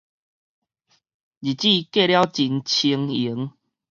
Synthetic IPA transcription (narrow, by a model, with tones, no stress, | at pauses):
d͡ʑi˨˩t͡ɕi˥˧ke˥˧˨lja˦wt͡ɕi˧nt͡ɕʰi˧ŋi˨˩˦ŋ